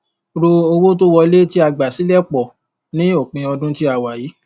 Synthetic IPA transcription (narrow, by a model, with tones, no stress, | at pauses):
ɾo˧o˧wo˦to˦wɔ˧le˦ti˦a˧ɡ͡ba˨si˨˦lɛ˦k͡pɔ˨ | nĩ˦o˦˨k͡pĩ˧ɔ˧dũ˦ti˦a˨wa˨jiː˨˦